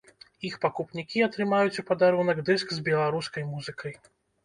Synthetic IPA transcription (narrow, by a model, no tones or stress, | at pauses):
ixpakupnʲikʲiat̪ɾɨmajut͡sʲupɐd̪aɾunɐɡd̪ɨskzbʲɛlˠaɾuskɐjmuzɨkʰɐj